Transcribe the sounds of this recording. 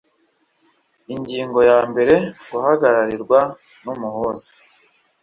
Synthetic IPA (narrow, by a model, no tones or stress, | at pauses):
iɲɟiːŋɡo̞jaːmbe̞ɾe̞ɡuhaɡaɾaɾiɾɡwa | numuhozḁ